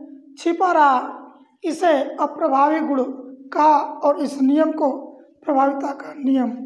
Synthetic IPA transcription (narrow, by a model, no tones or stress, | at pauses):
t͡ʃʰipaːɾa | ɪseɐpɾɐbʱaːʋiɡʊɽkaɔːɾɪsnijəmko | pɾɐbʱaːʋɪt̪akanijəm